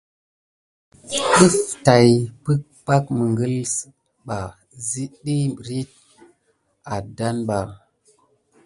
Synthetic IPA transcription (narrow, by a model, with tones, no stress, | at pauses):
ɓi˦fta˨jpɨ˦k̚pa˦kmə˨ŋɡə˦ls | ɓa˨ | zi˦ɗi˦˨ɾi˦t̚ | a˨da˦nɓa˨